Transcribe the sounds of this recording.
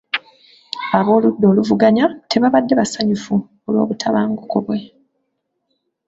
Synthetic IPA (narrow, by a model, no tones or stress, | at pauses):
aβo̞ːludːo̞ːluvuɡaɲatʰe̞βaβadːe̞βasaɲufu | olwo̞ːβutʰaβaːŋɡukoβwe̞